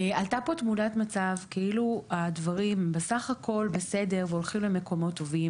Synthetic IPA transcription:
ealtapo̞tmudatmat͡savkeiluadvaʁimbe̞saχakʰo̞lbe̞se̞de̞ʁveo̞lχimlemeko̞mo̞tːo̞vim

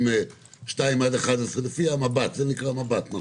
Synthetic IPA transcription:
me | ʃt̪aimad̪eχad̪esʁelefiamabat̪zenikʁamabat̪na

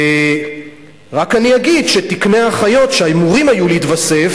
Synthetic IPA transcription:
ʁakaniaɡidʃe̞tikneaχajo̞tʃeaimuʁimajuliitvase̞f

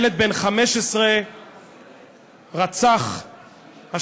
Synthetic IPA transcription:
let̪̚benχameʃesʁe | ʁat͡saχ | ha

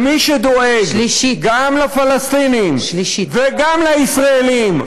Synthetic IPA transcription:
miʃed̪oeɡɡamlafalast̪inimveɡamlaisʁaelim

